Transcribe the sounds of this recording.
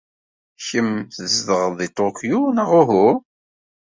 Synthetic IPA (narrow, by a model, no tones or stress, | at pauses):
çəmθəzðəʁðˤit̪ˤokjunaʁʊɦu